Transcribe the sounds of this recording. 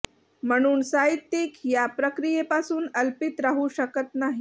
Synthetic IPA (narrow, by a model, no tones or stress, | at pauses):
m̤əɽ̃uːnsaɦit̪ːikjapɾəkɾijepasuːnəlpit̪ɾaɦuɕəkət̪naɦi